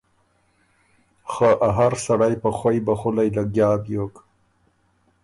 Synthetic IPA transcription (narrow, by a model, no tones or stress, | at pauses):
xəʔaɦaɾsaɽajpaxwojbaxʊlajlaɡjɑːbjok